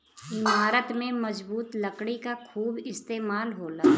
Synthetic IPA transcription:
bʱaːɾət̪mẽmɐd͡ʒbuːt̪lɐkɽ̃ikakʰuːbɪst̪eːmaːlɦoːlaː

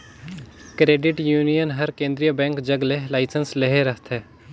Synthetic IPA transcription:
kɾeːɖɪʈjuːnijənɦɐɾkẽːnd̪ɾijəbɛ̃ːŋkd͡ʒɐɡlelaːɪsənsleɦeɾɐɦt̪ʰɦɛː

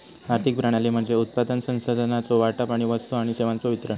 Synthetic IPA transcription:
aɾt̪ʰik̚pɾaɽ̃aliːm̤əɳd͡zeut̪̚pad̪ənsə̃w̃sod̪ʱənat͡soʋaʈapaɽ̃iʋəst̪oaɽ̃iseʋãnt͡soʋit̪ɾən

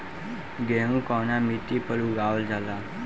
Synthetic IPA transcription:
ɡeːnũːkaːnaːmit̪iːpəluːɡaːwəld͡ʒalaː

